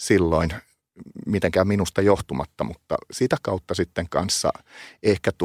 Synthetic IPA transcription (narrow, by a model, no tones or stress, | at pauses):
silːoin | mit̪eŋkæminust̪ɑjoht̪umɑt̪ːɑmut̪ːɑ̰sit̪ækɑut̪ːɑsit̪ːeŋkɑ̰nsːɑ̰ehkæt̪